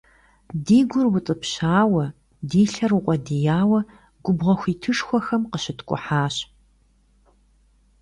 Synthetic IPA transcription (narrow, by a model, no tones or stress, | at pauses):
diːɡʷʊrwʊt͡sʼɨpɕaːwɐ | diːɬɐrwʊqʷʼɔdijaːwɐ | ɡʷʊbʁɐxʷiːtʰɨʂxʷɔxɐmqəɕɪtkʷʼʊ̰ħaːɕ